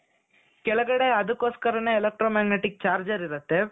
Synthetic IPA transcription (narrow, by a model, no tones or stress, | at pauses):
kɛlɐɡɐɽe̞ɐd̪ɐkːoːskɐɾɐneːlɐk̚ʈɾoːmaːɡneʈik̚t͡ʃaːɾd͡ʒɐɾiɾɐt̪ːe̞